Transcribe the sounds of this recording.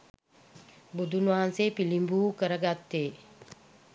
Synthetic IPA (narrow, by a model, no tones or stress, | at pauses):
bud̪ʱunʋaːanseːpilimbuːkəɾəɡat̪ːeː